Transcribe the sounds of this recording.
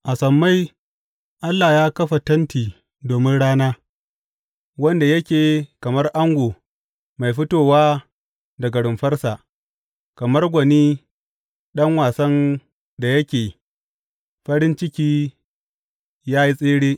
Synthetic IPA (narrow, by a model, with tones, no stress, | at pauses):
ʔa˨sɐ˨mːa˦j | ʔa˦lːaː˨jaː˦kɐ˦ɸa˨tɐ˦ntiː˨ | doː˨mɪ˦nɽaː˦naː˦ | wɐ˦nda˨jɐ˦kʲeː˨kɐ˨mɐ˦rʔa˦ŋɡʷoː˨ | ma˨jɸɪ˦toː˨waː˦ | dɐ˨ɡɐ˨ɽʊ˨mɸɐ˦rsa˨ | kɐ˨mɐ˦rɡʷɐ˨niː˦ | ɗɐ˦ŋwaː˨sɐ˦n | da˨jɐ˦kʲeː˨ | ɸɐ˦ɽɪ˦nt͡ʃɪ˦kʲiː˦ | jaː˦ji˦sʼeː˦ɽeː˦